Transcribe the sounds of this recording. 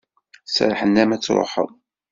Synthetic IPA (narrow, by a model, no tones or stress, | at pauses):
sɾħənːæmæt͡sːɾˤo̰ħə̰ðˤ